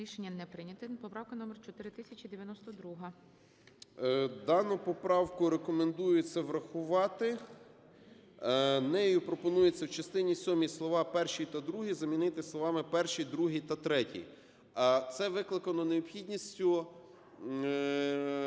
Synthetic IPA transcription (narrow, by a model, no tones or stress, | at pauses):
ɾʲiʃenʲːɐnɛpɾɪnʲɐt̪ɪpɔpɾɑwkɐnɔmert͡ʃɔt̪ɪɾɪt̪ɪsʲɐt͡ʃʲid̪eʋʲjɐnɔst̪ɔd̪ɾuɦɐ | d̪ɑnʊpɔpɾɑwkʊɾekɔmend̪ujʊt͡sʲːɐʋɾɐxʊʋɑt̪ɪ | nɛjupɾɔpɔnujet͡sʲːɐwt͡ʃɐst̪ɪnʲisʲɔmʲislˠɔʋɑpɛrʃijt̪ɐd̪ɾuɦizɐmʲinɪt̪ɪslˠɔʋɑmɪpɛrʃijd̪ɾuɦit̪ɐt̪ɾɛtʲḭ | t̪sɛʋɪklˠɪkɐnɔneɔpxʲidʲnʲisʲtʲʊ